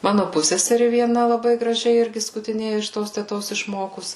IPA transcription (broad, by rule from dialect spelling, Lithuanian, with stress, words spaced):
ˈmɑːnʊ ˈpʊsʲsʲɛsʲɛrʲɪ ʋʲiɛˈnɐ lˠɐˈbɐɪ ɡrɐˈʒʲɛɪ ˈɪrʲɡʲɪ skʊtʲɪˈnʲeːjɛ ɪʃ ˈtoːs tʲɛˈtoːs ɪʃˈmoːkʊs